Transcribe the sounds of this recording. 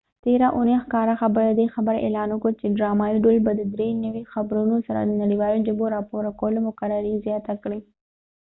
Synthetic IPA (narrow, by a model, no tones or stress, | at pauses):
t̪eɾaʔunexkɑɾaxabəɾad̪exabəɾḛlɑnʊkət͡ʃeɖɾɑmɑiɖolbad̪əd̪ɾenəwixabɾunosaɾa̰d̪ənaɽiwɑlod͡ʒəboɾɑpoɾakwəlomʊkaɾaɾizjɑt̪akɽi